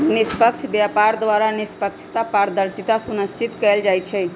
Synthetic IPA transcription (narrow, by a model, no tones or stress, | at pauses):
nispəkt͡ʃʰbjapaɾd̪ʋaɾanispəkt͡ʃʰt̪apaɾd̪əɾsit̪asunəst͡ʃit̪kɛld͡ʒajt͡ʃʰɛ